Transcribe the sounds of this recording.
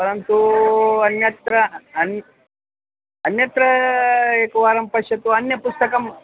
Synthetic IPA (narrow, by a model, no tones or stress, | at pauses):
pɐɾɐnt̪uɐnjɐt̪ɾɐn | ɐnjɐt̪ɾɐekuʋaːɾɐmpɐʂɐt̪uɐnjɐpust̪ɐkɐm